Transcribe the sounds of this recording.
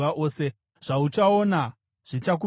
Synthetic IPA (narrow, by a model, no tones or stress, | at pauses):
aʔo̞ːse̞ | ʐ̥aut͡ʃao̞na | ʐ̥it͡ʃak̬u